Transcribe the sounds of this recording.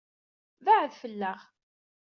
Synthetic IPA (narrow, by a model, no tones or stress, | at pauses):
vaʕəðfəlːəʁ